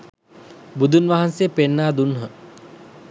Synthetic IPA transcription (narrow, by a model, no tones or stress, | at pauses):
bud̪unʋaɦansejəpenːaːd̪unɦə